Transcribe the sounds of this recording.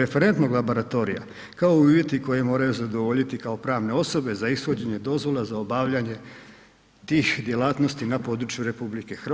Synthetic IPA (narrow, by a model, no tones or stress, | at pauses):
efeɾe̞nt̪no̞ɡlˠabo̞ɾat̪o̞ɾḭja̰ | kao̞iuːʋje̞t̪iko̞jemo̞ːɾajuzad̪o̞ʋo̞ʎit̪ikao̞pɾaːʋne̞o̞so̞be̞zaisxo̞d͡ʑe̞ɲe̞d̪o̞zʋo̞lˠazaobaʋʎaɲe̞ | t̪iːxd̪je̞laːt̪no̞st̪inapo̞d̪ɾut͡ʃjuɾe̞publike̞xr